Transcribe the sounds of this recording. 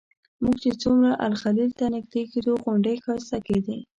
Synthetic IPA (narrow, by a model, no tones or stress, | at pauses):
muɡt͡ʃet͡sumɾaʔa̰lxalilt̪anɪɡ̚d̪eked̪oɣʊɳɖəjxɑsaked̪i